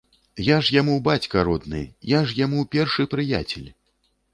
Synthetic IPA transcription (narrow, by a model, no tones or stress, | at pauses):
jaʐjamubat͡sʲkɐɾɔd̪nɨ̰jaʐjamupʲɛrʂɨpɾɨja̰t͡sʲɛ̰lʲ